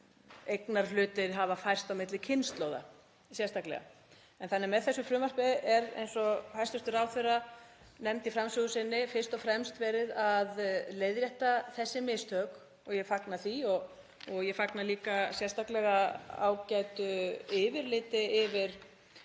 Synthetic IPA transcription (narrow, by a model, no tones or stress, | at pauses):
ejknaɾ̥lʏːt̪ɪɾ̥ɦavafajr̥t̪awmɪt̪lɪcʰɪnst̪loːwða̰ | sjɛ̥st̪aklɛ̰ɣa̰ | ɛnθanːɛɾmɛðθɛsːʏfɾʏːmar̥pɪðʔɛɾḛjnsɔhajrst̪ʏst̪ʏɾaːwθerːa | nɛmt̪ɪfɾamsʏɣʏsɪnːɪfɪr̥st̪ɔfɾɛmst̪vɛːɾɪðaðleːjðɾjɛht̪aθɛsːɪmɪst̪ʰœːk | ɔɣjɛfaknaθiɔɣ | ɔɣjɛfaknaliːkasjɛ̥st̪aklɛɣaa̰ːwcajt̪ʏɪːvɪɾlɪːt̪ɪɪvɪɾ̥